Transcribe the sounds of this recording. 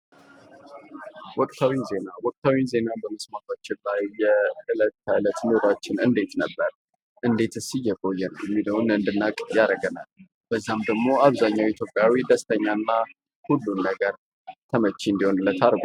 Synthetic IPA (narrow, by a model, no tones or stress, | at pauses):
wɔkʼt̪ʰawize̞nawɔkʼt̪ʰawize̞nabəməsmat̪ʰat͡ʃːɪnlajːɛɨlət̪ːajlət̪nɨɾat͡ʃːɪnɨnd̪e̞t̪nəbːəɾ | ʔɨnd̪e̞t̪ɨsɨjːɛkʼo̞jːɛnəwjɛmːiləwnɨnd̪ɨnːakʼjaɾəɡəna̰l | b̥əzːamd̪əɡmo̞aβzaɲːawit̪ʰjo̞pʼjawid̪əst̪ʰəɲːanːa | hulːunːəɡəɾ | t̪ʰəmət͡ʃːind̪iho̞nɨlːət̪ʰaɾɡo